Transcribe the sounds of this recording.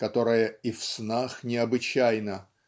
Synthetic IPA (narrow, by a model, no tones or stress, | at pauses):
kɐt̪o̞ɾɨjəifsnaxnʲɪɐbɨt͡ɕæjnə